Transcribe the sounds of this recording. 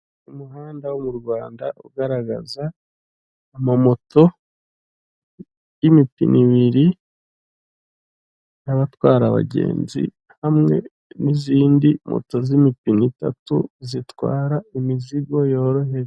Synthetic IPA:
umuɦaːndawumuɾɡwaːndaʔṵɡaɾaɡa̰zaː | mamo̞to̞ | jimipḭnʔiβiɾi | jaβatwaːɾaβa̰ɟe̞̰ːnzḭ | hamŋe̞̰ | niziːndimo̰to̞zimipinita̰tṵzitwa̰ːɾaimiziɡo̞jo̞ːɾo̞heɾe

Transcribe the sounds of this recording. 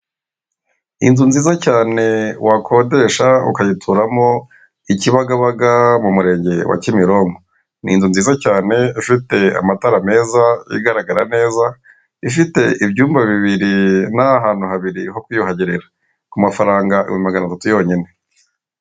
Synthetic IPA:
ḭnzunziːzacaːne̞wakʰo̞ːde̞ːʃaṵkajitʰuɾamo̞ | iciβaɡaβaɡamumuɾe̞ːɲɟe̞wa̰cimiɾo̞ŋɡo | nḭnzunziːzacaːne̞ifite̞a̰mataɾame̞ːzaḭɡaɾaɡaɾane̞ːza | ifite̞ibɟuːmbaβiβiɾinaɦaːn̥huhaβiɾiho̞kwijuhaɟiɾeɾa | kumafaɾaːŋɡaʔḭwemaɡanaatatujo̞ːɲine̞

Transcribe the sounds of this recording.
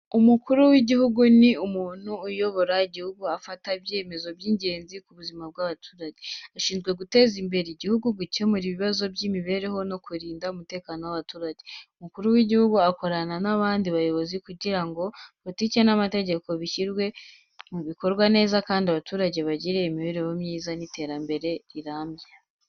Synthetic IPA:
umukuɾuwiɟihuɡuniumuːn̥uːjo̞βo̞ɾaiɟihuɡuafataβje̞ːme̞zo̞bjiːɲɟe̞ːnzikuβuzimab̚ɡaβatʰuːɾaɟeaʃiːnzɡwe̞ɡute̞ːzimbe̞ɾeɟihuɡuɡuce̞muɾiβiβazo̞bɟiːmiβe̞ːɾe̞ho̞no̞kuɾiːndaumute̞ːkaːnowaβatuːɾaɟe̞umukuɾuwiɟihuɡuako̞ɾananaβaːndiβajo̞βo̞zikuɟiɾaŋɡo̞poticenamate̞ɟe̞ko̞βiʃiɾɡwe̞ | muβiko̞ɾɡwane̞ːzakaːndiaβatuːɾaɟe̞βaɟiɾeimiβeɾe̞ho̞mɲiːzanitʰe̞ːɾambe̞ɾe̞ɾiɾaːmbja

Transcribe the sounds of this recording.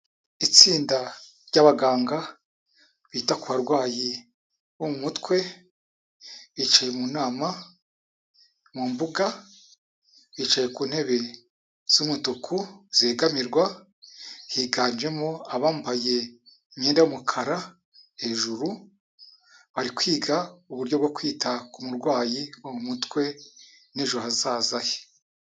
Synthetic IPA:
it͡siːnda | ɾɟaβaɡaːŋɡa | βiːtakuβaɾɡwaːji | womumutkwe̞ | βit͡ʃaje̞munaːma | muːmbuɡa | βit͡ʃaje̞kuːn̥he̞βe̞ | z̥umutukʰuz̥eːɡamiɾɡwa | hiːɡaːnd͡ʒe̞moaβaːmbaje̞ | ɲeːndajumukʰaɾa | he̞ʒuɾu | βaɾikwiːɡauβuɾɟo̞bɡokwiːtʰakumuɾɡwaːjiwamumutkwe̞ | neʒuɦazaːzaje

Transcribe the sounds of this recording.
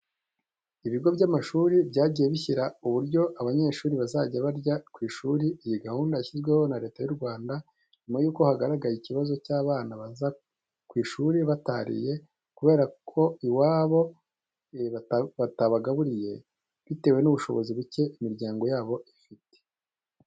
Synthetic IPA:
iβiɾɡo̞bjɟamaʃuːɾibɟaːɟije̞βiçiɾauβuɾɟo̞ʔaβaɲe̞ʃuːɾiβazaɟaβaɾɟakwiːʃuɾiijiɡahuːndaçizɡwe̞ho̞naɾe̞ːtajuɾɡwaːnda | nimajuːko̞haɡaɾaɡajiciβazo̞caːβaːnaβaza | kwiːʃuɾiβataɾḭje̞ | kuβe̞ːɾakʰo̞iwaːβo̞ | aβataβaɡaβuɾije̞̰ | βite̞ːwe̞nuβuʃo̞̰βo̞ziβuce̞ʔimiɾɟaːŋɡo̞jaːβo̞ʔifite̥

